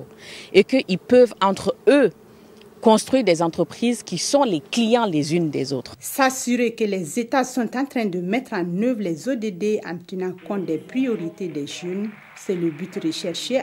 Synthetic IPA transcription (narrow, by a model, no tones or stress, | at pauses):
ekəʔilpøvɑ̃t̪χø | kɔ̃st̪χwiʁd̪ɛzɑ̃t̪χəpχizkʲisɔ̃lɛklijɑ̃lɛzynd̪ɛzot̪χsasyʁekəlɛzet̪asɔ̃t̪ɑ̃t̪ɾɛ̃d̪əmɛt̪ɾɑ̃nøvʁlɛzod̪ed̪eɑ̰̃t̪ənɑ̃kɔ̃t̪̚d̪ɛpχijoʁit̪ed̪ɛʒøn | sɛləbyt̪ʁəʃɛʁʃe